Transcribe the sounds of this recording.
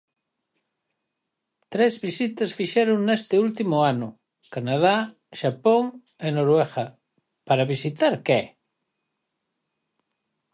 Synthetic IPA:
t̪ɾɛzβisit̪ɐsfiʃɛɾʊŋnest̪ɪult̪̬imʊanʊ | kanað̞a | ʃapoŋ | enoɾwɛɣɐ | paɾɐβisit̪aɾkɛ

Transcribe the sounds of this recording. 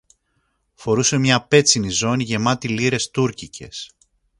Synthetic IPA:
fo̞ɾuse̞mɲɐpe̞t͡sinizo̞niʝe̞mɐt̪iliɾe̞st̪uɾcicʰe̞s

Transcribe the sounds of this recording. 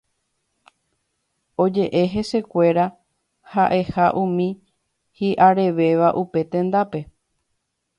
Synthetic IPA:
o̞d͡ʒe̞ʔe̞ɦe̞se̞kʷe̞ɾa | haʔe̞haʔũmĩ | hiʔaɾe̞ʋe̞ʋaʔupe̞t̪ẽ̞nd̪ape̞

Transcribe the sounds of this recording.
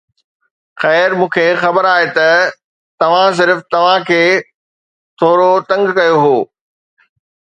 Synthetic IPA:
xɛːɾmũːkʰeːxɐbəɾaːɦet̪ɐ | t̪ɐʋ̤ãs̬ɪɾft̪ɐʋ̤ãkʰeː | t̪ʰoːɾot̪ɐ̃ŋɡkɐjoɦoː

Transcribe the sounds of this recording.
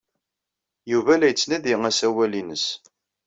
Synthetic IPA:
juvælæjət͡sːnæðiŋæsæwælinəs

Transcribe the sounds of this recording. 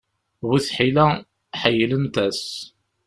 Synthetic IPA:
wiθħilæ | ħajələnt̪æs

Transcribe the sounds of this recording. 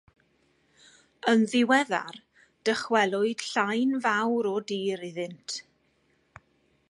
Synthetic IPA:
ənðɪwɛða̰r | d̥əχwɛlˠʊɨd̥ɬajnvawɾɔdiːɾɪðɨntʰ

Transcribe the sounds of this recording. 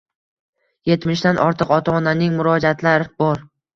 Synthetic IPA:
je̞t̪mɪʃd̪anʔɒɾt̪ʰɨqɒt̪ʰaːnanɪŋmʊɾɒd͡ʒat̪ʰlaɾɪbɒɾ

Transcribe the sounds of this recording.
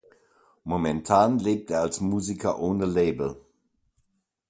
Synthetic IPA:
momɛntʰaːnleːp̚teːɐalsmuːzikʰɐʔoːnəleːbl̩

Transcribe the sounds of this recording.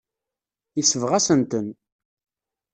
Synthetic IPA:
jəsəvʁæsənt̪ən

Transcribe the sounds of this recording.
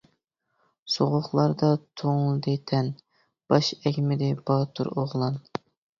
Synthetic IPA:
soʁʊχlˠɑɾd̪ɑt̪ʰoŋlˠd̪ɪt̪ʰɛn | b̥ɑʃɛkʲmɪd̪ɪb̥ɑːt̪ʰṵɾoʁlˠɑn

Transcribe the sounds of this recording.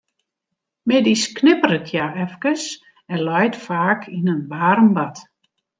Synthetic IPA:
mɪdisknɪpəɾəkʰjaɛfkəs | ɛnlɔjtfaːkʰinənʋaːrəmbat

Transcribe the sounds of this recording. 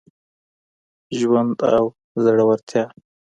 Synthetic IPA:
ʒwand̪a̰w | zaɽawaɾt̪ʰjɑː

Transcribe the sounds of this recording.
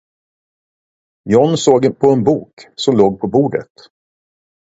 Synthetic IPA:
jɔnsoːɡpʰɔɛnbuːksɔmloːɡ̚pʰɔbuːɖə̰t̪

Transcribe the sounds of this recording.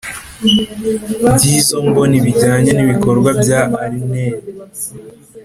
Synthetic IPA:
ɟizombo̞niβiɟaːɲeniβiko̞ɾɡwabɟaʔːɾineːɾe

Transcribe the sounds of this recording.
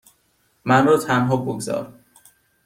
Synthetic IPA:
mænrɒːt̪ʰænɦɒːboɡzɒ̰ːɾ

